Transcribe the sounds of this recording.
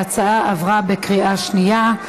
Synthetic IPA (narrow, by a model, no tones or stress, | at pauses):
at͡saaʔavʁabekʁiaʃnija